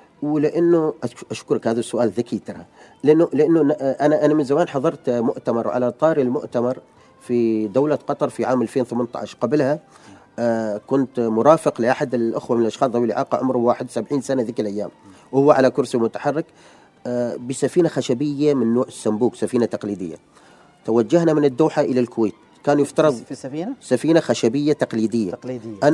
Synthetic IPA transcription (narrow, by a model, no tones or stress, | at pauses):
wɪlɪʔanːʊʔʔaʃkʊɾakhaːðasːʊʔaːlðakiːt̪ɪha | lʔanːʊlɪʔanːʊnaʔanaʔanamɪnzamaːnħɑðˤɑɾˤt̪mʊʔt̪amɑɾˤwʕa̰lat̪ˤɑːɾilmʊ̰ʔt̪amɑɾˤ | fid̪awlaqɑt̪ˤɑɾˤfiʕaːmʔalfeːnwʊθamant̪ˤa̰ʕaʃqɑblha | kʊnt̪mʊɾɑːfɪqlɪʔaħad̪ɪlʔɪxwamɪnɪlʔɑʃxɑːsˤawɪlʔɪ̰ʕaːqɑ̰ʕʊmɾʊwaːħɪd̪wsabʕiːnsanaðɪkɪlʔajːa̰ːm | whʊwːaʕalakʊɾsimʊt̪ḁħɑrːɪk | bɪsafiːnaxaʃabɪjːamɪnːoːʕɪsːambuːksafiːnat̪ɑqliːd̪ɪ̰jːa̰ | t̪awad͡ʒːahnamɪnɪd̪ːuːħaʔɪlalkʊweːt̪ | kaːnjɪft̪ɑɾˤɑðˤsafiːnaxaʃabɪjːat̪aqliːd̪ɪjːa̰ʔan